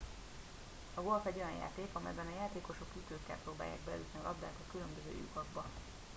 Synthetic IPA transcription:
ɒɡo̞lfɛɟːo̞jɒnja̰ːt̪eːkɒmɛ̰jbɛnɒjaːt̪eːko̞ʃokːyt̪øːkːɛ̰lproːba̰ːja̰ːɡ̚bɛlɛ̰y̰t̪niɒlɒbd̪aːt̪ɒkylømbøzø̰ːjṵkɒɡbɒ

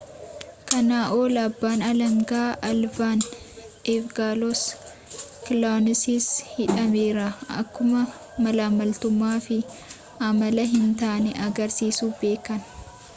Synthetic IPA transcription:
kɐnaːʔoːlɐbːaːnɐlɐŋɡaːʔɐlbaːn | eːfɡaːlɔs | kɪlanɪsishɪᶑɐmeːɾɐɐ̰kːʊmɐ | mɐlaːmɐlt̪ʊmːaːfɪ | ʔɐmɐlɐɦɪnt̪aːnɛʔɐɡɐɾsiːsuːfbe̞ːkɐn

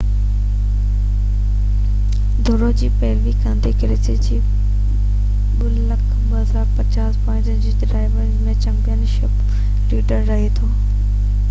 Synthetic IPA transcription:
d̪ʱoːɾod͡ʑiːpɐɦɪʋikãːnd̪ekɪlɪsid͡ʑiː | ɓʊllɐkʰɓɐɦəzaːɾpɐt͡ɕaːspɐ̃ɪ̃ɲd͡ʑənd͡ʑiːɖɾaːɪʋəɾzmẽt͡ɕɐ̃mpijənʃɪp | ʈiːʈəɾːɐɦet̪ʰoː

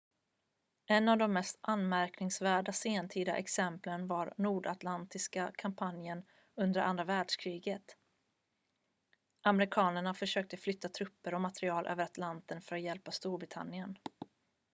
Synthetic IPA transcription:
ɛnːavd̪ɔmːɛst̪ʔanmæɾknɪŋsvæːɖaseːnt̪ʰiːd̪a̰ʔɛ̰ksɛmplənvaɾnuːɖat̪lant̪ɪskakʰampʰanjən | ɵnd̪əɾʔa̰nd̪ɾavæːɖʂkʰɾiːɡət̪ | ʔamɛɾɪkʰɑːnəɳafœʂøːk̚t̪əflʏt̪ːat̪ʰɾɵpːəɾɔmat̪ɾɪɑːlʔø̰ːvəɾat̪lant̪ənfœɾat̪jɛlpast̪uːɾbɾɪt̪ʰa̰nːɪən

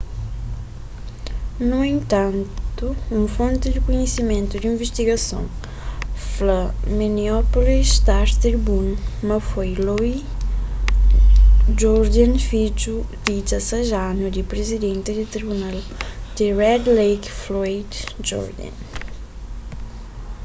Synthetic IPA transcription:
nuẽnt̪ãnt̪uũŋfõnt̪id̪ikuɲesimẽnt̪ud̪ĩɱveʃt̪iɡɐsõ̰ŋ | flɐminiɔpolist̪aɾt̪ɾibunmɐfojloi | d͡ʒɔɾd̪anfid͡ʒud̪̥id͡ʒ̪ɐsɐʒanud̪ipɾezid̪ẽnt̪id̪it̪ɾibunald̪̥iɾɛd̪lejkflɔjd̪d͡ʒɔ̰ɾd̪ã̰n

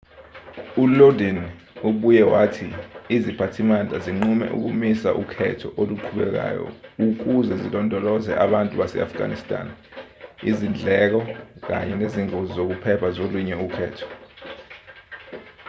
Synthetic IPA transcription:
ulodin | uɓujɛwatʰiizipʰatʰimand͡ɮʱaziŋ͡ǃumɛ̰ʔṵk̬umisaʔṵkʰɛtʰɔʔoluǃʰuɓɛ̰k̬a̰ːjɔ̰uk̬uzɛzilɔndʱɔlɔzɛ̰ʔaɓantʼuɓasɛ̰a̰fɡ̥ʱa̰nistʼa̰n | izind͡ɮʱɛk̬ɔk̬a̰ɲɛneziŋozizok̬upʰɛpʰazoluɲɛukʰɛ̰ːtʰɔ̥

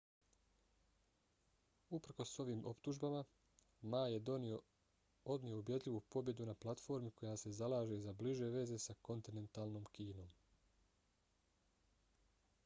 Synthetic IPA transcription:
upɾ̩ko̞so̞ʋiːmo̞pt̪uʒbama | maːje̞ | o̞d̪nijo̞ubje̞d̪lʲʎiʋupo̞bje̞d̪unaplˠat̪fo̞ɾmikʰo̞jase̞zalˠaːʒe̞zabliʒe̞ʋe̞ze̞sako̞nt̪ine̞nt̪aːlˠno̞ːmkiːno̞ːm

